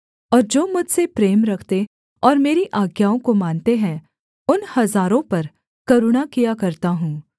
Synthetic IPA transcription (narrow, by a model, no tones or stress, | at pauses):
ɔːɾd͡ʒoːmʊd͡ʒʱsepɾeːmɾɐkʰt̪e | ɔːɾmeːɾiʔaːɡjaːõkomaːnt̪eɦɛ̃ | ʊnhɐzaːɾõpɐɾ | kɐɾuɽakijakɐɾt̪aɦũː